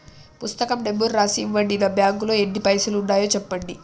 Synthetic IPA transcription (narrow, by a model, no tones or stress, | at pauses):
pust̪ɐkɐmɖemːuɾːaːsiːmʋɐɖinɐbjaːŋɡulo̞ːenːipɐjsuluɳɖaːjo̞ːt͡ʃɛpːɐɳɖi